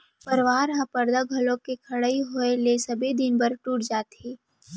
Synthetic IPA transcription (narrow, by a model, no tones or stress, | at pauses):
pɐɾʋaːɾɦãpɐɾd̪aɡʱɐlõkekʰɐɽəiɦoelesɐbʱid̪ɪnbɐɾʈuːʈd͡ʒaːt̪eː